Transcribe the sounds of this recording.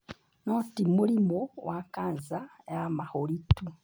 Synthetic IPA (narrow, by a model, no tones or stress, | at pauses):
noːtimulimowʔakaːnzaejamaholitu